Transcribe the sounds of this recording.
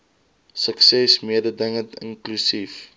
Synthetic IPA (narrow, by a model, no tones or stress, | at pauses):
səksɛsmiədədəŋətə̰nklysif